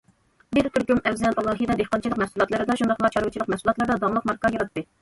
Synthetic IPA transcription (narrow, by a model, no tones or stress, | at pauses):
bɪɾt̪ʰyɾkʲymɛwzɛlʔɑlˠɑːɦijd̪ɛd̪eqɑnt͡ʃilˠəqmɛhsulˠɑt̪lˠɨɾɨd̪ɑʃund̪ɑqmɑt͡ʃʰɑɾwɨt͡ʃʰilˠəqmɛsulˠɑt̪lˠɨɾd̪ɑd̪ɑmlˠəqmɑɾkɑjɑɾɑt̪ːɨ